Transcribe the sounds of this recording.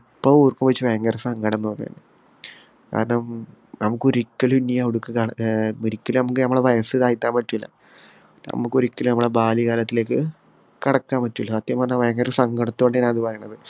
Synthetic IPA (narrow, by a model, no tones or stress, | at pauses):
pːɐʋoːrkːumɐt͡ɕːɨʋɐjɐŋɡɐrsɐŋɡɐɽɐnːoːnːɐɐ̰ːnɨ | ka̰ːɾɐɳɐmnɐmukːoɾikːɐlinːijaiɽukːɨkaoɾikʲːilɐnɐmukːɨnɐmːɐɭeʋɐjɐsɨðaːjit̪ːaːmpɐtːumilːɐ̰ | nɐ̰mukːoɾikːɐlunɐmːɐɭebaːlikaːlɐt̪ːile̞ːk̬ːɨ | kɐɽɐkːaːnmpɐtːumilːɐsaːt̪jɐmpɐrɐɲːamɐjɐŋɡɐɾsɐŋɡɐɽɐt̪ːuoɳɖiaːnɐðɨpɐrɐjuɳːɐðɨ